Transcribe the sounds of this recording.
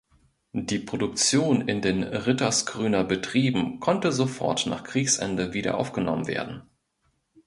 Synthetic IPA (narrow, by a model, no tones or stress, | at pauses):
d̥iːpʁ̥odʊk̚t͡sjoːnɪ̰ndeːnʁɪtɐsɡ̥ʁyːnɐbətʁ̥iːbm̩kʰɔntəzofɔ̰ɐtna̰ːχkʁ̥iːçsʔɛ̰ndəviːɾɐ̰ʔa̰ʊfɡ̥ənɔmənvḛːɐdn̩